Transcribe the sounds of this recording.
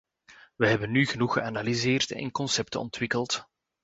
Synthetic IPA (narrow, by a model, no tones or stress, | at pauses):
ʋəɦɛbənːyɣənuxəʔanalizeːrtɛ̰nkɔnsɛptəɔ̰ntwɪkəlt